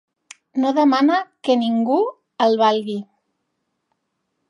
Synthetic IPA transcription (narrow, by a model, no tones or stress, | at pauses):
noðəmanakəniŋɡu | əlˠβalˠɣi